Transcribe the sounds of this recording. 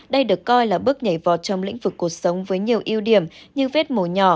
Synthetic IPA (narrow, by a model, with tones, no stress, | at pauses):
ɗə˧jɗɨ˨˩əkːɔ˧jlaː˨˩ɓɨ˦˥ək̚ɲə˧˩jvɔ̰˨˩t̚t͡ɕɔ˧wŋ͡mlḭ̈˧˥ŋ̟vɨ˨˩kːu˨˩ək̚sə˨˦wŋ͡mvəː˨˦jɲi˨˩əwʔi˧əwɗi˧˩əmɲɨ˧ve˦˥t̚mo˧˩ɲɔ˧˩